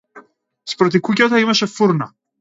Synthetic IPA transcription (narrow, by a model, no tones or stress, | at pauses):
spɾot̪ikucɐt̪ɐimɐsʃefuɾnɐ